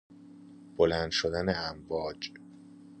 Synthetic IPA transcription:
b̥olæːnd̪ʃod̪æneæmvɒːd͡ʒ

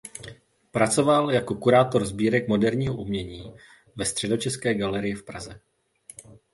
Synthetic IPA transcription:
pɾat͡so̞valjako̞kuɾaːt̪o̞ɾzbiːɾɛkmo̞dɛɾɲiːɦoʔumɲɛɲiː | vɛst̪r̥ɛdo̞t͡ʃɛskɛːɡalɛɾɪjɪfpɾa̰zɛ

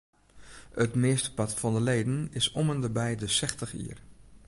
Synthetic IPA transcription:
ətmɪəstə̥pɑtfɑndəleːdən̩ɪsɔməndəbɛjdəsɛxtəχḭːər

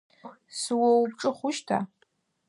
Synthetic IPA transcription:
sɨwowpʈ͡ʂʼɨχʷʊʃtʰa̰

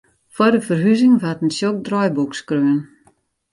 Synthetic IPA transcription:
fɔdəfərɦyzɪŋʋatən̩sjok̚drɔjbukskrøən

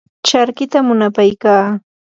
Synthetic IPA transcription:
t͡ʃaɾkɪt̪amʊnapajkaː

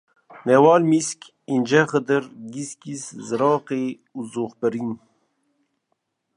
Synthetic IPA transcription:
nɛwɑːlmiskʲ | ind͡ʒɛxəd̪ɨɾɡiskiszɨɾɑːqeː | uzoːxpɨɾin

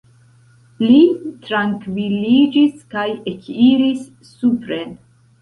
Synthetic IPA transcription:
litɾaŋkvilid͡ʒiskajekʰiɾisː | upɾen

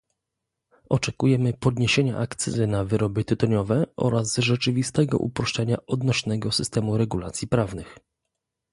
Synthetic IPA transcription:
ʔɔt͡ʂɛkujɛmɘpɔd̪ɲeɕeɲa̰ʔakt̪sɛzɘnavɘɾɔbɘt̪ɘt̪ɔɲɔvɛʔɔ̰ɾazʐɛt͡ʂɘvʲist̪ɛɡɔ̰ʔṵpɾɔʂt͡ʂɛɲaɔd̪nɔɕnɛɡɔsɘst̪ɛmuɾɛɡulat̪sʲjipɾavnɘx

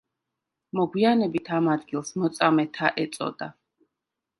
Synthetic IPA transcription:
mɔɡwianɛbit̪ʰamad̪̚ɡilˠsmɔt̪sʼamɛt̪ʰaʔɛt̪sʼɔ̰d̪a

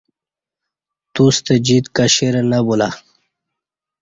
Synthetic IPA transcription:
t̪ust̪ed͡ʑit̪kaɕeɾanabula

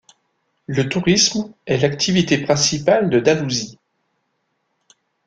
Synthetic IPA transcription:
lət̪uʁismɛlak̚t̪ʰivit̪epχɛ̃sipald̪əd̪aluzi

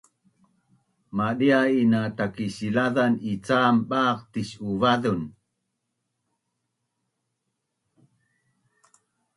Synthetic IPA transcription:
maɗiainat̪akiɕilaðanit͡saːmɓaːqt̪iɕuvaðun

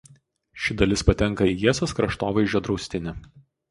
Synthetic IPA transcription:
ʃʲɪd̪ɐlʲɪspɐt̪ʲɛŋˑkɐiːjiɛsʲoːskɾɐʃt̪oːʋɐɪʒʲoːd̪ɾɒʊsʲt̪ʲɪnʲɪ

